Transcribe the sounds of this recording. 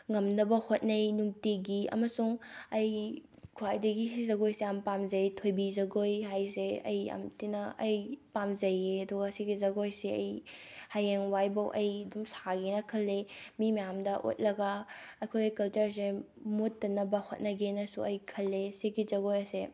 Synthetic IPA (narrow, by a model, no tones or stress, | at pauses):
ŋɐmnɐbɐhot̚nɐjnuŋtiɡiɐ̰mɐsuŋɐj | kʰuwajdɐɡisizɐɡojseampamzɐjtʰojbizɐɡojɦajseɐ̰jɐ̰mtinɐɐjpamzɐjeɐduɡɐsiɡizɐɡojseɐ̰jhajeŋwajbɐwʔɐjdumsaɡenɐkʰɐlːemimɐjamdɐʔo̰t̚lɐɡɐɐkʰojɡikɐlt͡ʃɐɾs̬e | mutːɐnːɐbɐhot̚nɐɡenɐsuɐjkʰɐlːesekizɐɡojɐse